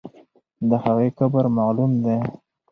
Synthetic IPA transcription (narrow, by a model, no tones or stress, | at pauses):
d̪əhaɣejkabəɾmalumd̪e